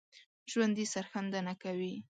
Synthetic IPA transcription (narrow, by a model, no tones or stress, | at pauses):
ʒwand̪isaɾxand̪anakawi